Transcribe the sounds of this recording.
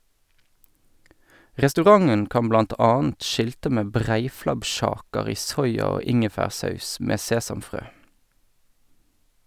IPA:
ʁɛstʉˈʁɑŋən ˈkɑm ˈblɑnt ˈɑːənt ˈʃɪltə ˈmeː ˈbʁæɪflɑbˌʃɑːkəʁ ˈiː ˈsɔʏɑ ˈoː ˈɪŋəfæːʁˌsɑʉs ˈmeː ˈseːsɑmˌfʁøː

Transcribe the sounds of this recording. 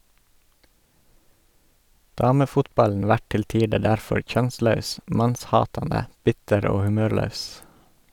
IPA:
ˈdɑːməfʊtˌbɑln̩ ˈʋæʈ ˈtɪl ˈtiːdə ˈɖæɾfɔɾ ˈçœnˌslɑʉs ˈmɑnsˌhɑːtɑndə ˈbɪtəɾ ˈoː hʉˈmøːɾˌlɑʉs

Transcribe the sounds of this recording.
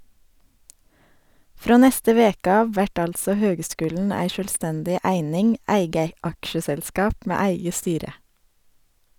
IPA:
ˈfɾoː ˈnɛstə ˈʋeːkə ˈɑːʋ ˈʋæʈ ˈɑltsɔ ˈhøːɡˌskʉːln̩ ˈæɪ ˌʃœlˈstɛndɪ ˈæɪnɪŋ ˈæɪɡə ˈɑkʃəsɛlˌskɑːp ˈmeː ˈæɪɡə ˈstyːɾə

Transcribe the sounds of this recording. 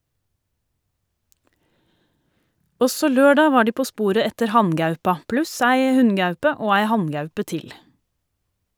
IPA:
ˈɔsɔ ˈløːɖɑː ˈʋɑː ˈɖiː ˈpoː ˈspuːɾə ˈɛtəɾ ˈhɑnˌɡɑʉpɑ ˈplʉs ˈæɪ ˈhʉnˌɡɑʉpə ˈoː ˈæɪ ˈhɑnˌɡɑʉpə ˈtɪl

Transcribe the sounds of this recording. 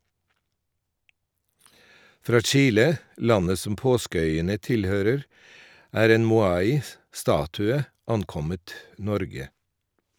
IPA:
ˈfɾɑː ˈt͡ʃiːlə ˈlɑnə ˈsɔm ˈpoːskəˌœʏənə ˈtɪlˌhøːɾəɾ ˈæːɾ ˈeːn mʊˈɑːɪ ˈstɑːtʉə ˈɑnˌkɔmət ˈnɔɾɡə

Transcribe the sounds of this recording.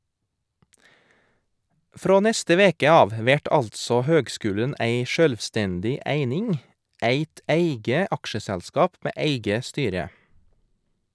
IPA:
ˈfɾoː ˈnɛstə ˈʋeːkə ˈɑːʋ ə ˈʋæʈ ˈɑltsɔ ˈhøːɡˌskʉːlən ˈʔæɪ ˈʃøːlʋˌstɛndɪ ˈæɪnɪŋ ˈæɪt ˈæɪɡə ˈɑkʃəsɛlˌskɑːp ˈmeː ˈæɪɡə ˈstyːɾə

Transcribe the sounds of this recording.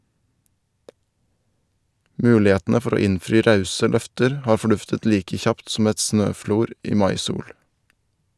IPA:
ˈmʉːlɪˌheːtnə ˈfɔɾ ˈoː ˈɪnfɾiː ˈɾɑʉsə ˈlœftəɾ ˈhɑːɾ fɔˈɖʉftət ˈliːkə ˈçɑpt sm̩ ˈɛt ˈsnøːˌfluːɾ ˈiː ˈmɑɪˌsuːɽ

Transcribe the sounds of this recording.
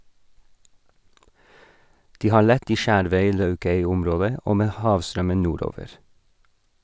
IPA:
ˈdiː ˈhɑːɾ ˈlɛt ˈiː ˈʃæːɾʋœʏˌlɑʉkœʏˌʊmˌɾoːdə ˈoː ˈmeː ˈhɑːʋˌstɾœmən ˈnuːˌɾoːʋəɾ

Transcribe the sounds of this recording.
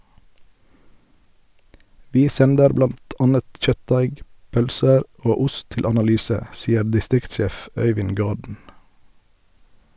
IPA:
ˈʋiː ˈsɛndəɾ ˈblɑnt ˈɑːnət ˈc͡çœtˌdæɪɡ ˈpœlsəɾ ˈoː ˈʊst ˈtɪl ɑnɑˈlyːsə ˈsiːəɾ dɪˈstɾɪktˌʃeːf ˈœʏʋɪn ˈɡɑːdn̩

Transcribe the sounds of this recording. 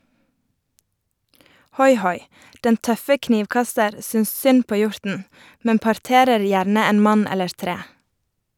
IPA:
ˈhɔʏˌhɔʏ ˈdɛn ˈtœfə ˈkniːʋˌkɑstəɾ ˈsʏns ˈsʏn ˈpoː ˈjʊɹtn̩ ˈmɛm pɑɾˈteːɾəɾ ˈjæɾnə ˈeːn ˈmɑn ˈɛləɹ ˈtɾeː

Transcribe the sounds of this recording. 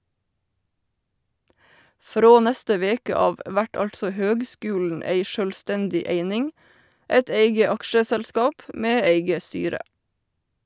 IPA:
ˈfɾoː ˈnɛstə ˈʋeːkə ˈɑːʋ ˈʔʋæʈ ˈɑltsɔ ˈhøːɡˌskʉːln̩ ˈeɪ ʃœlˈstɛndɪ ˈeɪnɪŋ ˈeɪt ˈeɪɡə ˈɑkʃəsælˌskɑːp ˈmeː ˈeɪɡə ˈstyːɾə

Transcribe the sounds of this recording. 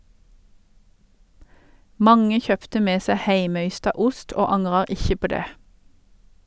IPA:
ˈmɑŋə ˈçœptə ˈmeː ˈseː ˈhæɪməˌʏstɑ ˈʊst ˈoː ˈɑŋʁɑ ˈɪçə ˈpoː ˈdeː

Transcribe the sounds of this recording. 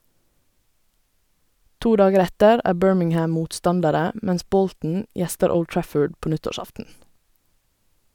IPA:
ˈtuː ˈdɑːɡəɾ ˈɛtəɾ ˈæː ˈbøːɹmɪŋˌhæm ˈmuːtˌstɑndəɾə m ˈmɛns ˈbɔltn̩ ˈjɛstəɹ ˈəʊld ˈtɹæfəɖ ˈpoː ˈnʏtɔˌʃɑftn̩

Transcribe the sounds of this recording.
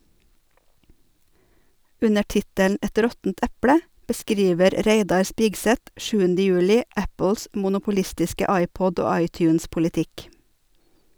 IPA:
ˈʉnə ˈʈɪtəln̩ ˈɛt ˈɾɔtn̩t ˈæpɽə bəˈskɾiːʋəɾ ˈɾeɪdɑɾ ˈspiːɡsɛt ˈʃʉːəndə ˈjʉːlɪ ˈæpl̩s mʊnʊpʊˈlɪstɪskə ˈɑɪˌpɔd ˈoː ˈɑɪtjʉːnspʊlɪˌtɪk

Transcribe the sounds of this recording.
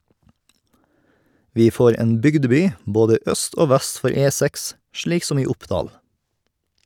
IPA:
ˈʋiː ˈfoːɾ ˈeːn ˈbʏɡdəˌbyː ˈboːdə ˈœst ˈoː ˈʋæst ˈfɔɾ ˈeːˌsæks ˈʃɭiːk ˈsɔm ˈiː ˈʊpˌdɑːl

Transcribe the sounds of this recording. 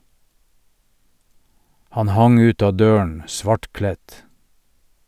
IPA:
ˈhɑn ˈhɑŋ ˈʉːt ˈɑː ˈdøːən ˈsʋɑʈˌklɛt

